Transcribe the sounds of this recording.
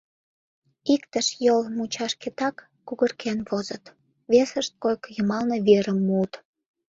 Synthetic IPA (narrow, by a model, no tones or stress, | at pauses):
ikt̪əʃjolmut͡ɕɑʃket̪ɑkːuɣərkʰenβozət̪ | βesəʃt̪̚kojkjəmɑlneβeɾəmːut̪